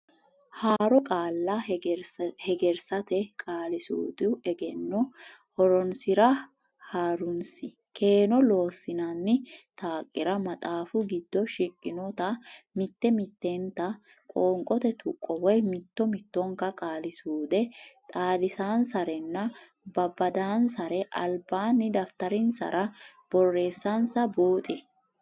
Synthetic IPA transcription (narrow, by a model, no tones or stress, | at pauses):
haːɾɔkʼaːlːɐ | hɛɡɛɾsɐt̪ɛkʼaːlɪsṵːd̪ʊɛɡɛnːɔhɔɾɔnsɪɾɐ | haːɾʊnsɪ | kʰe̞ːnɔlo̞ːsɪnɐnːɪt̪aːkʼːɪɾɐmɐt̪ʼaːfʊɡɪd̪ːɔʃɪkʼːɪnɔt̪ɐmɪt̪ːɛmɪt̪ːent̪ɐ | kʼoːŋkʼɔt̪ɛt̪ʊkʼːɔwɔjmɪt̪ːɔmɪt̪ːɔŋkːɐkʼaːlɪsuːd̪ɛt̪ʼaːd̪ɪsaːnsɐɾɛnːɐ | bɐbɐd̪aːnsɐɾɛʔɐ̰lbaːnːɪd̪ɐft̪ɐɾɪnsɐ̰ɾʔɐb̥ɔrːe̞ːsːɐnsɐbuːt̪ʼɪ